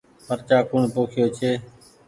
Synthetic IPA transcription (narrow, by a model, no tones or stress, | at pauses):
pʰəɾt͡ʃaːkʊːɳpoːkʰɪjoːt͡ʃʰeː